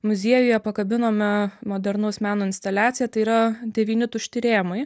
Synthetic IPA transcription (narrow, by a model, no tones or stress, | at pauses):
mʊzʲiɛjʊjɛpɐkɐbʲɪnoːmʲɛmoːd̪ʲɛɾnɐʊsmʲæːnoːɪnʲst̪ɐlʲæːt̪sʲɪjɛt̪ɐɪiːɾɐd̪ʲɛʋʲiːnʲɪt̪ʊʃʲt̪ʲɪɾʲeːmɐɪ